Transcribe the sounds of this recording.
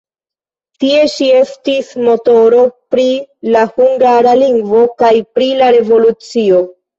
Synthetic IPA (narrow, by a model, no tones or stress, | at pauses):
tie̞ʃie̞stismo̞to̞ɾo̞pɾilahuŋɡaɾaliŋɡvo̞kajpɾilaɾe̞vo̞lut͡sio̞